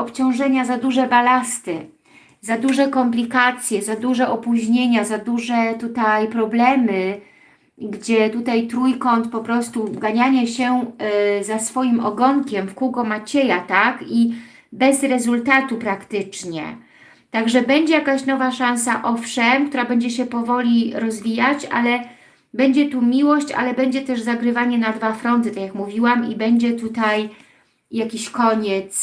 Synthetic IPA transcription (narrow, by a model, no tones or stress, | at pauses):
ɔpt͡ɕɔ̃w̃ʐɛɲazad̪uʐɛbalast̪ɘ | zad̪uʐɛkɔmplʲikat̪sʲjɛzad̪uʐɛʔɔpuʑɲeɲazad̪uʐɛt̪ut̪ajpɾɔblɛmɘ | ɡd͡ʑɛt̪ut̪ajt̪ɾujkɔnt̪pɔpɾɔst̪uɡaɲaɲɛɕɛ | zasfɔjimɔɡɔŋkʲɛmfkuɡɔmat͡ɕejat̪aki | bɛzɾɛzult̪at̪upɾakt̪ɘt͡ʂɲɛ̰ | t̪aɡʐɛbɛɲd͡ʑɛjakaɕnɔvaʂãñsaʔɔfʂɛmkt̪uɾabɛɲd͡ʑɛɕɛpɔvɔlʲiɾɔzvʲijat͡ɕa̰lɛ | bɛɲd͡ʑɛt̪umʲiwɔɕt͡ɕa̰lɛbɛɲd͡ʑɛt̪ɛʐzaɡɾɘvaɲɛnad̪vafɾɔnt̪ɘt̪akʲjakmuvʲiwamibɛɲd͡ʑɛt̪ut̪aj | jakʲiɕkɔɲɛt̪s